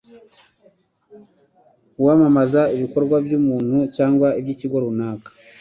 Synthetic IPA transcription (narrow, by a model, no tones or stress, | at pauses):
uwamamazaiβiko̞ɾɡwabjuːmuːn̥hucaːŋɡwaibɟiciɡwoɾunaːkḁ